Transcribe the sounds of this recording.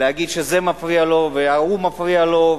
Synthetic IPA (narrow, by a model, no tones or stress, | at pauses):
lehaɡidʃezemafʁialo̞veaumafʁialo̞